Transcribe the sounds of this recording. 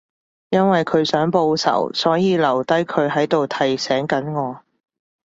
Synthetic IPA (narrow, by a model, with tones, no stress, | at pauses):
jɐ˥nwɐ˨jkʰɵ˨˧ɥsœː˨˥ŋpo˧wsɐ̰˨˩wsɔː˨˥jiː˨˧lɐ˨˩wt̪ɐ˥jkʰɵ˨˧ɥɦɐ˨˥jt̪o˨wt̪ʰɐ˨˩jsɛː˨˥ŋkɐ˨˥nŋɔː˨˧